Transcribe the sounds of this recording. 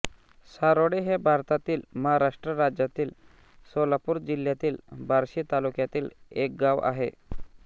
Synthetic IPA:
saɾoɽeɦebʱaɾt̪at̪iːlməɦaɾaʂʈɾəɾad͡ʑjat̪iːl | solapuːɾd͡ʑil̤jat̪iːlbʱaɾɕiːt̪alukjat̪iːlek̚ɡaʋa̰ɦḛ

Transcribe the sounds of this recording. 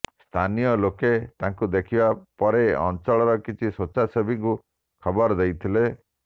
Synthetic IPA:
st̪ʰanijɔloket̪aŋkud̪ekʰibapɔɾeɔ̰nt͡ʃɔɭɔɾɔkit͡ʃʰisot͡ʃasebʱiŋku | kʰɔbɔɾd̪ejt̪ʰile

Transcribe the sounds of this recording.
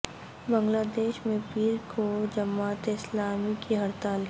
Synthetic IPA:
bə̃ŋɡlaːd̪eːʃmẽpiːɾkʰod͡ʒɐmaːt̪ɪslaːmikiɦɐɾt̪aːl

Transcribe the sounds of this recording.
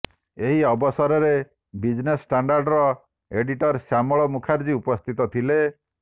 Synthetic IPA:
eɦiɔbɔsɔɾɔɾe | bid͡ʒnesʈaɳɖaɾɖɾɔ | eɖiʈɔɾsamɔɭɔmukʰaɾd͡ʒiupɔst̪ʰit̪ɔt̪ʰile

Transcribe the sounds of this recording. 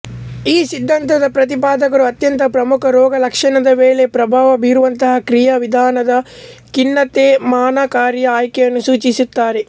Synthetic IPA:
iːsid̪ʱːɐnt̪ɐd̪ɐpɾɐt̪ipaːd̪ɐkɐɾuɐt̪jɐnt̪ɐpɾɐmukʰɐɾɔːɡɐlɐkʂɐnɐd̪ɐʋeːlepɾɐbʱaːʋɐbiːɾuʋɐnt̪ɐɦɐkɾijɐʋid̪ʱaːnɐd̪ɐkinːɐt̪eːmaːnakaːɾjɐaːjkɛjɐnːusuːt͡ʃisut̪ːaːɾe

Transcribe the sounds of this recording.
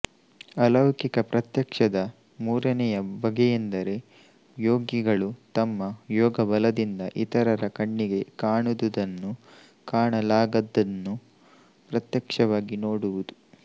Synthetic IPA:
ɐlɐwkikɐpɾɐt̪jɐkʂɐd̪ɐ | muːɾɐnɛjɐbɐɡɛjend̪ɐɾe̞ | joːɡiɡɐɭut̪ɐmːɐjɔːɡɐbɐlɐd̪ind̪ɐʔit̪ɐɾɐɾɐkɐɳːiɡe̞kaːɳud̪ud̪ɐnːu | kaːɳɐlaːɡɐd̪ːɐnːu | pɾɐt̪jɐkʂɐʋaːɡinoːɽuʋud̪u

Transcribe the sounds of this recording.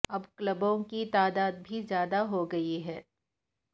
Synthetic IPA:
ɐbklɐbõkit̪aːd̪aːd̪̚bʱizjaːd̪aɦoɡɐiɦɛː

